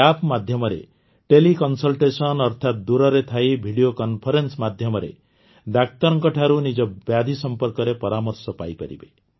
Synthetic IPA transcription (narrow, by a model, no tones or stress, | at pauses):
apmad̪ʱjɔmɔɾḛ | ʈelikɔnsɔlʈesɔnɔɾt̪ʰat̪̚d̪uɾɔɾet̪ʰajbʱiɽijokɔnpʰɔɾensmad̪ʱjɔmɔɾḛ | ɖ̪ak̚t̪ɔɾɔŋkɔʈʰaɾunid͡ʒɔbjad̪ʱisɔmpɔɾkɔɾepɔɾamɔɾsɔpajpɔ̰ɾḭbe